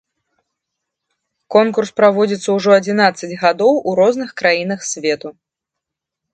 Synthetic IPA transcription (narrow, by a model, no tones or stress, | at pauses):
kɔnkurspɾavɔd͡zʲit̪sːɐwuʐɔɐd͡zʲinat̪sɐd͡zʲɣad̪ɔwʔuɾɔznɨxkɾajin̪ɐxsʲvʲɛt̪u